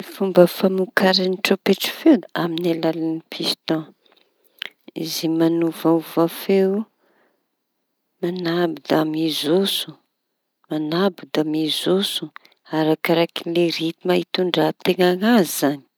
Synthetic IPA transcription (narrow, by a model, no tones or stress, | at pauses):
ifumbəfamukaɾaniʈ͡ʂopeʈ͡ʂi̥few̪aminalalanipʰist̪ɔ̃ | izimanuvauvafew | manabid̪amizusu̥ | manabid̪amizusu̥ | aɾakaɾakileɾit̪imaɦit̪uɳɖ͡ʐat̪eŋaŋazizani̥